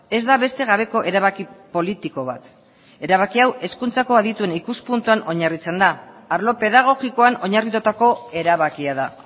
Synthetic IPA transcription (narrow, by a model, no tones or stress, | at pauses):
e̞zd̪aβe̞st̪e̞ɣ̞aβe̞ko̞ʔe̞ɾaβakipo̞lit̪iko̞β̞a̰t̪ | e̞ɾaβ̞akiawe̞skunt͡sako̞aðit̪ue̞nikuspunt̪uano̞ɲarit͡se̞nd̪aː | ɾlo̞pe̞ðaɣ̞o̞ɣiko̞ano̞ɲarit̪ut̪ako̞e̞ɾaβakiaða